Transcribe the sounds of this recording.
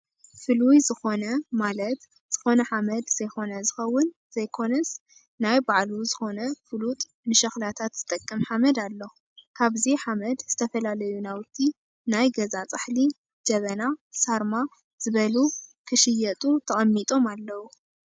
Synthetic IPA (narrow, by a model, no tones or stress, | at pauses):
fɨlujzɨxo̞nɐmalɐt̪ | z̥ɨxo̞nɐħamɐd̪z̥ɐjxo̞nɐzɨxɐwːʊn | z̥ɐjkʰo̞nɐs | najbaʕluzɨxo̞nɐfɨlut̪ʼ | mɨʃɐxlat̪ʰat̪z̥ɨt̪ʼɐkʼːɐmħamɐd̪alːo | kʰaβziħamɐd̪z̥ɨt̪ʰɐfɐlalɐjunawt̪ʰːi | najɡɐzat͡sʼɨħli | d͡ʒɐβɐnasaɾma | z̥ɨβɐlukʰɨʃɪjɐt̪ʼut̪ʰɐχʼɐmːit̪ʼo̞malːɐwu